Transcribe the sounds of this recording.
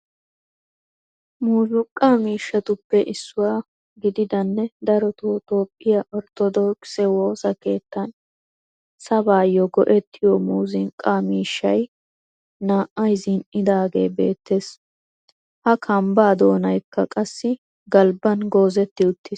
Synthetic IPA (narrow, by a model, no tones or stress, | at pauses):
muːzʊkʼːaːmiːʃːɐt̪ʊpːɛʔɪsːʊwaː | ɡɪd̪ɪd̪ɐnːɛd̪ɐɾɔt̪ot̪o̞ːpʼːɪjaʔɔɾt̪ɔd̪ɔːksɛwo̞ːsɐke̞ːt̪ːɐn | sɐbaːjɔɡɔʔɛt̪ʰːɪjɔmuːzɪŋkʼːaːmiːʃːɐj | naːʔɐjzɪnɪd̪aːɡe̞̰ːbe̞̰ːt̪ːes | hɐkʰɐmbaːd̪oːnɐjkːɐkʼɐsːɪ | ɡɐlbɐnɡo̞ːzɛt̪ːɪʊt̪ːɪ